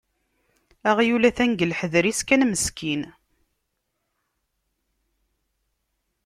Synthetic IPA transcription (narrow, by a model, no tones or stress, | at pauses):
æʁjulæθænɡəlħəðɾiskænməskʰin